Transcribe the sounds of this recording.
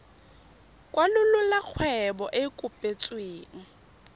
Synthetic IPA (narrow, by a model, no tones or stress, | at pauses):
kʼwalʊlʊlak͡xʰwɛbɔʔɪkʼʊpʼet͡sʼweːŋ̩